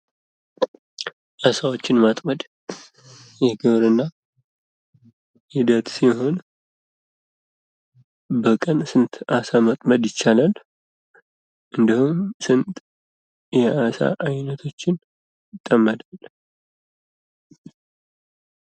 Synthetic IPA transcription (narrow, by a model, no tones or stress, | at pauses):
ʔasawo̞t͡ʃːɪnmat̪ʼməd̪ | jɛɡɨβɾɨnːa | hɪd̪ət̪siho̞n | bəkʼənsɨnt̪ʰʔasamat̪ʼməd̪jɪt͡ʃːalal | ʔɨnd̪ihumsɨnt̪ʼ | jɛʔasa̰ʔajnət̪ʰo̞t͡ʃːɪn | t̪ʼːəmːəd̪al